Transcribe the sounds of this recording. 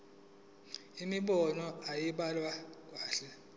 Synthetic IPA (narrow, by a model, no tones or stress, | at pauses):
imiɓɔnɔajiɓalwak̬ʼwaːɬɛ